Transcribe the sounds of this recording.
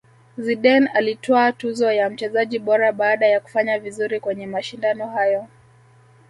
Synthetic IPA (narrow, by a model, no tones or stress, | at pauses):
ziɗɛnalitɔatuzɔjam̩t͡ʃɛzaʄiɓɔɾaɓaːɗajaku̥faɲavizuɾikwɛɲɛmaʃindanɔhajɔ